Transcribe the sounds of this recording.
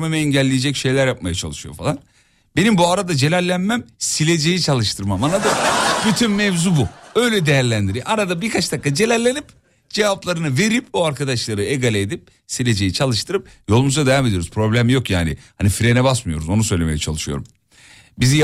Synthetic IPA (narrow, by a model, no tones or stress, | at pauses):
memɯɛɲɟælʲːejed͡ʒɛcʃe̞jlʲæɾjap̚majat͡ʃʰalˠɯʃɯjo̞̰falˠan | be̞nimbuaɾad̪ad͡ʒe̞lʲæɾlʲænmæmsilʲe̞d͡ʒe̞jit͡ʃʰalˠɯʃt̪ʰɯɾmamanad̪abyt̪ʰynmɛvzubuø̞jlʲɛd̪e̞jæɾlʲænd̪iɾiʔaɾad̪abiɾkʰat͡ʃd̪akːad͡ʒe̞lʲæɾlʲenip | d͡ʒe̞vaplˠaɾɯnɯve̞ɾipoaɾkʰad̪aʃlˠaɾɯeɡalʲɛːd̪ip̚ | silʲe̞d͡ʒe̞jit͡ʃʰalˠɯʃt̪ʰɯɾɯp̚jo̞lˠumuzad̪ejame̞d̪ijo̞ɾuz̥pʰɾo̞blʲæmjo̞kjaːnḭhanifiɾenɛbasmɯjo̞̰ɾuzo̞nusø̞jlʲemejɛt͡ʃʰa̰lˠɯʃɯjo̞̰ɾum | bizija